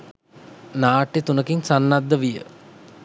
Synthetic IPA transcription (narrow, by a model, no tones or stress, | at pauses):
naːʈːit̪unəkiŋsanːad̪ːəʋijə̰